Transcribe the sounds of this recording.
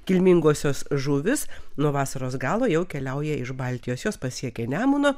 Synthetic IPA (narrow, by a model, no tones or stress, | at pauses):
kʲɪlʲmʲɪŋɡoːsʲoːsʒʊʋʲɪsnuɔʋɑːsɐɾoːsɡɑːlˠoːjɛʊkʲɛlʲɛʊjɛɪʃbɑlʲt̪ʲɪjoːsjoːspɐsʲiɛkʲɛnʲæːmʊnoː